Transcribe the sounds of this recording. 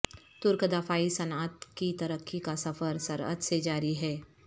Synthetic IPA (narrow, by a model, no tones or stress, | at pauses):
t̪ʊɾkəd̪afaːisɐnaːt̪kit̪ɐɾəkʰːikasɐfəɾsɐ̰ɾə̰d̪sed͡ʒaːɾiɦɛː